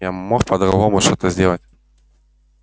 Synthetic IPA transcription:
jamɔxpɐd̪ɾuɦɔmuʂt̪ɔt̪ɐzʲd͡zʲɛlˠɐt͡sʲ

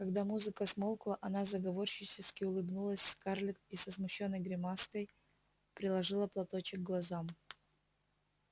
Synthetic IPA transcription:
kɐɡd̪amuzɨkəsmolˠklˠəʔɐnazəɡɐvorɕɪt͡ɕɪskʲɪʊlˠɨbnulˠəsʲskarlʲɪk̪isəs̬mʊɕːo̞nːəjɡɾʲɪmaskəj | pɾʲɪlˠɐʐɨlˠəplˠɐt̪o̞t͡ɕɪɡɡlˠɐzam

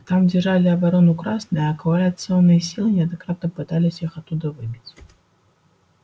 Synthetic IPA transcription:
t̪amdʲɪrʐalʲɪɐbɐɾo̞nʊkɾasnɨjaɐkəɐlʲɪt̪sɨo̞nːɨjəsʲilˠɨnʲɪɐd̪nɐkɾat̪nəpɨt̪alʲɪsʲjixɐt̪ːud̪əvɨbʲɪtʲ

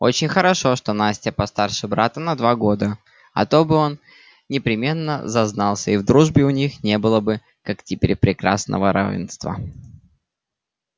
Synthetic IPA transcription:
o̞̰t͡ɕɪnʲxəɾɐʂo̞ʂt̪o̞nasʲtʲɪəpɐst̪arʂɨbɾat̪ənɐd̪vaɡo̞d̪ə | ɐ̰t̪o̞bɨo̞n | nʲɪpɾʲɪmʲe̞nːə̰zɐznɑlˠsʲəivd̪ɾuʐbʲɪʊnʲixnʲe̞bɨlˠəbɨ | kaktʲɪpʲeɾʲpɾʲɪkɾa̰snə̰vəɾa̰vʲɪ̰nst̪və̰

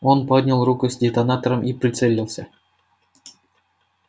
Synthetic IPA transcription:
onpod̪ʲnʲɪ̆lˠrukusʲdʲet̪onɑt̪orɤ̆mʔipʲrʲit̪selʲːĕlʲsʲe

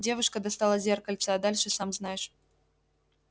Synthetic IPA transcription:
dʲd͡zʲevɨʂkɐd̪ɐst̪alˠɐzʲerkɐlʲt̪sɐːd̪alʲʂɨsamznajɛʂ

